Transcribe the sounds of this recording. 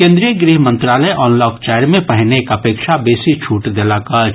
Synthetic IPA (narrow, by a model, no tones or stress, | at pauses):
kẽːnd̪ɾijəɡɾiːɦmə̃nt̪ɾaːləjʔɔːnlɔːkt͡ʃɛːjɾmẽpɐɦnekɐpeːkʃabeːsit͡ʃʰuːʈd̪elaka